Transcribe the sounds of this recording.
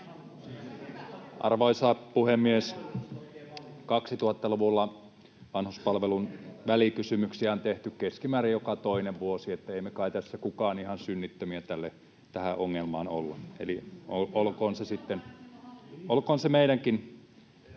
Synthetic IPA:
ʔɑ̰rʋoisɑːpuhemːies | kɑksit̪uhɑt̪ːɑluʋulːɑ | ʋɑnhuspɑlʋelunʋælikysymyksiæont̪eht̪ykkeskimæːrijjokɑt̪oineʋʋuosiet̪ːæeˑimekɑˑit̪æsːækukɑːnihɑnsynːit̪ːømiæt̪ælːe | t̪æhæʔoŋːelmɑ̰ːno̰lːɑḛlioolkoːnsesit̪ːen | olkoːnsemeiɾæŋkin

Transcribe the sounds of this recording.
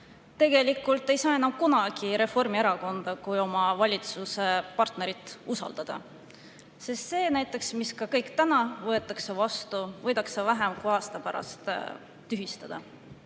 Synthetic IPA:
t̪e̞ɡ̥e̞likːˑult̪ːˑe̞jsɑːe̞nɑmkunɑɡ̥iɾe̞fo̞rmieɾɑko̞nd̪̥ɑkujo̞mɑvɑlʲit̪suse̞pɑrt̪ne̞ɾit̪ːˑusɑ̰ld̪ɑd̪̥ɑ̰ | sist̪se̞ːnæjt̪ːˑe̞ksmiskɑkɤjkt̪ænɑvɤ̞e̞t̪ːˑɑksevɑst̪uvɤ̞jd̪̥ɑksevæɦemkujɑːst̪ɑpæɾɑ̰st̪ | t̪ːyɦist̪ɑd̪̥ɑ̰

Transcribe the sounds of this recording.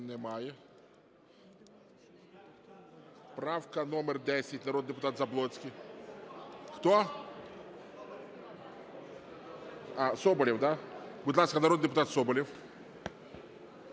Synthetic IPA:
nɛmajɛ | spɾawkɐnɔmɛrd̪ʲɛsʲɪtʲnɐɾɔd̪d̪ɛpʊt̪at̪zɐblˠɔsʲkʲi | xt̪ɔ | asɔbɔlʲɛwd̪abʊd̪lˠaskɐnɐɾɔd̪d̪ɛpʊt̪at̪sɔbɔlʲɛw

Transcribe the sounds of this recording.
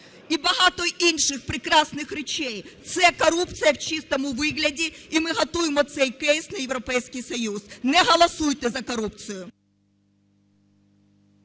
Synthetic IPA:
ibɐɦat̪ɔjinʂɨxpɾʲɪkɾasnɨxɾʲɪt͡ɕejt̪sɛkɐɾupt̪sɨjɐft͡ɕist̪ɐmʊvɪɣlʲɛdʲiimɨɣɐt̪ujɪmɔt̪sɛjkɛjsʲnʲɐjɪvɾɐpɛjsʲkʲijsɐjusnɛɣɐlˠɐsujt̪ɛzɐkɐɾup̚t̪sɨjʊ

